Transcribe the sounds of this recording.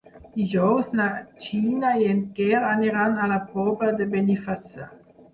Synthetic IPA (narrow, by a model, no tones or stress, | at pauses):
iʒɔwsnat͡ʃiːnaeɛnkɛʁaniʁanalapɔbad̪əbenifasa